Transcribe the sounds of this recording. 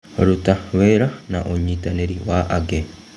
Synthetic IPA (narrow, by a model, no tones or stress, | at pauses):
ɾutaweːɾana̰ʔoɲitaneɾiwaʔaɡe